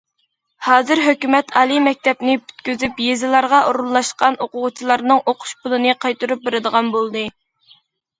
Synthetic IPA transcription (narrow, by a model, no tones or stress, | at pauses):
hɑːzɨɾɦøkʲymɛt̪ʰɑːlˠɨmɛk̚ʲt̪ɛpnɪpʰy̥t̪̚kʲyzypjezɪlˠɑɾʁɑʔoɾunlˠɑʃqɑnoqʊʁʊt͡ʃʰilˠɑɾnɨŋoqʰʊ̥ʃpʰʊlˠɨnɨqʰɑjt̪uɾup̚beɾɨd̪əʁɑnbolˠd̪ɨ